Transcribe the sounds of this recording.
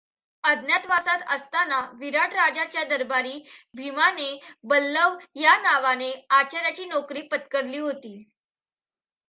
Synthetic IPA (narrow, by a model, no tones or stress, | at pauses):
əd̪njat̪ʋasat̪əst̪anaʋiɾaʈɾad͡zat͡ɕjad̪əɾbaɾiːbʱimanebəlːəʋjanaʋaneat͡ɕaɾjat͡ɕiːnɔkɾiːpət̪kəɽliːɦot̪iː